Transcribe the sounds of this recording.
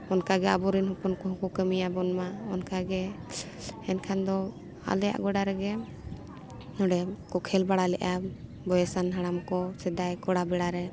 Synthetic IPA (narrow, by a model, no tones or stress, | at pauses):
ɔnkaɡɛa̰bɔɾinɦɔpɔnkɔɦɔ̃kɔkəmijabɔnmaɔnkaɡɛ | ɛnkʰand̪ɔ | a̰lɛja̰ʔɡɔɖaɾɛɡɛ | nɔɽɛkɔkʰɛlbaɽalɛʔa | bɔjɛsanɦaɽ̃amkɔsɛd̪ajkɔɽabɛɽaɾɛ